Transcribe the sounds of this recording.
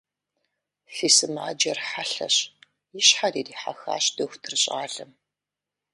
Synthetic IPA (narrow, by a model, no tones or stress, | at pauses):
fiːsɨmaːd͡ʒɐrħaɬɐ̰ɕ | jɪɕħariːdiːħa̰xa̰ːɕd̥ɐxʷtʰɨrɕʼa̰ːɮɨm